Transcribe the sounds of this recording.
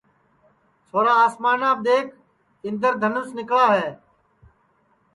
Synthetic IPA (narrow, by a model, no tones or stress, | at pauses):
sʰoːɾaːaːsmaːnaːbd̪eːkʰ | ɪnd̪əɾd̪ʱənʊsnɪkɭaːɦɛː